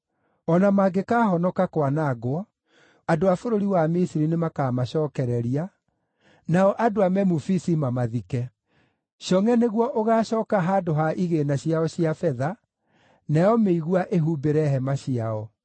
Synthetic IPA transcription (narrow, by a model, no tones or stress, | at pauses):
ɔnamaːɡekaːhɔnɔkakwanaɡoɔ | adoafoɾoɾiwamisiɾinemakaːmaɕɔːkɛɾɛɾia | naɔʔadoamɛmufisimamaðikɛ | ʃɔŋɛneɣwɔʔoɣaːɕɔːkaɦaːdoɦaʔiɣenaɕiaɔɕiafɛða | nɛjɔmeiɣwaʔeɦuːbeɾɛɦɛmaɕiaɔ